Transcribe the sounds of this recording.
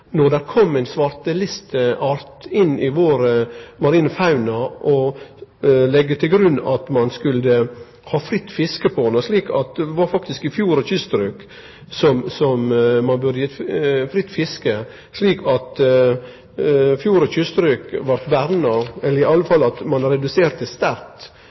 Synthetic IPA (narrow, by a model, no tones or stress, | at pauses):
nɔd̪æɾkʰɔmːæɪnsʋɑɾt̪əlɪst̪əʔɑɾt̪ɪnɪʋoːɾəmɑɾiːnəfɑʉnɑʔɔ | lɛɡːət̪ʰɪlɡɾʉnːɑt̪mɑnskʉldə | hɑːfɾɪt̪ːfɪskəpʰɔnəʂliːkʰɑt̪̚d̪ɛʋɑːɾfɑkt̪ɪskɪfjuːɾɔçʏst̪ɾʉːk | sɔmsɔmmɑnbʉɾd̪əjɛt̪fɾɪt̪ːfɪskə | ʂɭiːkʰɑt̪ | fjuːɾɔçʏst̪ɾʉːkʋɑɾʈ̪bæɾnɑɛlːəɾɪɑlːəfɑlːɑt̪mɑnɾɛd̪ʉseːɾt̪əst̪æɾt̪